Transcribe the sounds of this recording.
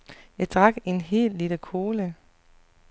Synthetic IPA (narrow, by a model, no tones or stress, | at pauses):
jɑ̈ɪd̥ʁɑ̈ɡ̥e̝nɦe̝̰ːlːiləkʰo̝ːlə